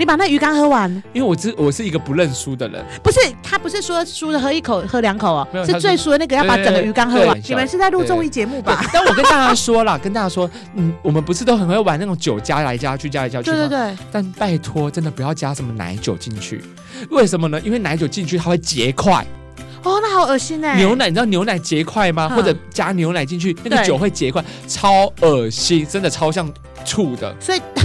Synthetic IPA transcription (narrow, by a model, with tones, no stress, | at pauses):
ni˨˥pa˨˩na˥˩ɡə˩y˧˥kɑ˥ŋxɤ˥wa˧˦ni˥nwe˥˩wɔ˨˩˥wɔ˨˩ʂɻ̩˥˩i˧ɡə˨pu˧˦lə˥˩nsu˦d̪ə˨ɻə̰˧˦npu˧˥ʂɻ̩˥˩t̪ʰa˦˥pu˧˥ʂɻ̩˥˩ʂwɔ˥su˥d̪ə˨xɤ˧˥i˥˩kʰo˨˩ʊxɤ˧˥ljɑ˧˥ŋkʰo˨˩ʊɐ˨˦˧jo˨ʂ̩ʰ˥˧t͡swe˥˧ɪsu˥d̪ə˨na˥˩ɡə˧jpa˧˥ʈ͡ʂə˨˧ŋɡə˧y˧˥kɑ˥ŋxɤ˧˥wa˧˨nnj̪i˨˩mə˨˦nʂɻ̩˥˧t͡sa˥˧ɪlu˥˧t͡sʊ˥˧ŋi˥˩t͡ɕjɛ˧˥mu˥˩ba˥˧˩nwwkə˦nt̪a˥˩t͡ɕja˥ʂwɔ˥lə˨kə˥nt̪a˥˧t͡ɕja˥ʂwɔ˥ | n̩˨˩wɔ˨˩mə˨˦npu˧˥ʂ̬ɻ̩˥˩o˥ʊxə˨˩nxjwa˧˦na˥˩ɡə˨˩t͡ɕjo˨˩ʊt͡ɕja˥la˧˦ɪt͡ɕja˦˥t͡ɕʰy˥˩t͡ɕja˦˥la˧˦t͡ɕja˧˥t͡ɕʰwe˥˧t̪e˥˧˩e˥˩t̪a˥˧npa˥˩ɪt̪ʰwɔ˥ʈ͡ʂə˦nd̪ə˨˩pu˨˥jɑ˥˩ʊt͡ɕja˦˥ʂə˧˥nmə˧na̰˧˥ɪt͡ɕjo˨˩ʊt͡ɕi˥˧ŋt͡ɕʰy̰˥˩ | we˥˩ɪʂə˨˧nmə˧nə˧ʔi˥nwe˥˩na˧˥ɪt͡ɕjo˨˩ʊt͡ɕi˥˧nt͡ɕʰy˥˩tʰa˥we˥˩ɪt͡ɕjɛ˧˥kʰwa˥˩ɪ | ɔ˥˧na˥˩xɑ˨˩ʊə˨˩ɕi˥ne˨njo˧˥ʊna˨˧˦ni˨˩˧jo˧˥ʊna˨˩ɪt͡ɕjɛ˧˥kʰwa˥˩ɪma˨xwɔ˥˩ʈ͡ʂɤ˨˩t͡ɕja˥njo˧˥ʊna˨˧˦ɪt͡ɕi˥˧nt͡ɕʰy˥˩na˥˩ɡə˦t͡ɕjo˨˩xwe˥˩ɪt͡ɕjɛ˧˥kʰwa˥˩ɪ | ʈ͡ʂʰɑ˦˥ʊə˨˩ɕi˥nʈ͡ʂə˦nd̪ə˨ʈ͡ʂʰɑ˥ʊɕjɑ˥˧˩ŋ | ʈ͡ʂʰu˥˩d̪ə̰˩swɔ˧˥i˨˩